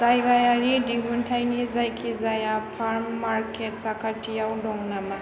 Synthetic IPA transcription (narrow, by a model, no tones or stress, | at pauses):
zajɡajaɾidiɡuntʰajnizajkʰizajapʰaɾmːaɾketsakʰatijawdɔŋnama